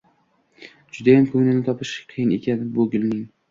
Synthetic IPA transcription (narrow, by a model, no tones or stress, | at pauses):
d͡ʒʊd̪ajamkʰɵŋnɪnɪt̪ʰɒpʰɪʃqʰɨjɪnḛkʲʰanɪbʊɡʲɪlnɪŋ